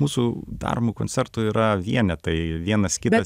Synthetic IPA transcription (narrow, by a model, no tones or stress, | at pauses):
muːsud̪ɐ̰rmuːkonʲt͡s̪ʲɛrt̪ʊiːɾɐʋʲiɛnʲɛt̪ɐɪʋʲiɛnɐskʲɪɐ